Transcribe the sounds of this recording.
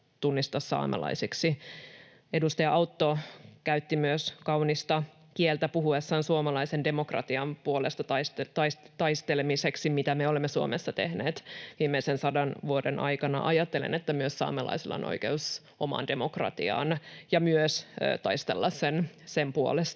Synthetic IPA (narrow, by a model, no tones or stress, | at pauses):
t̪unːist̪ɑsːɑ̰ːmɑ̰lɑ̰isiksi | edust̪ɑjɑʔɑwt̪ːokæyt̪ːimyøskɑwnist̪ɑ | kielt̪æpuɦuesːɑːnsuomɑlɑisende̞mokrɑ̰t̪iɑmpuolest̪ɑt̪ɑst̪t̪ɑist̪ɑist̪elemiseksimit̪æmeolemːesuo̰mesːɑt̪ehneːt̪ʋiːmːeisensɑdɑnʋuodenʔɑ̰jkɑnɑ̰ʔɑjɑt̪ːelḛnet̪ːæmyøssɑ̰ːmɑlɑ̰isilːɑ̰o̰no̰ikeus | ʔomɑ̰nde̞mokrɑ̰t̪ḭɑ̰ːnjɑmyøsːt̪ɑist̪ḛlːɑssensempuo̰lest̪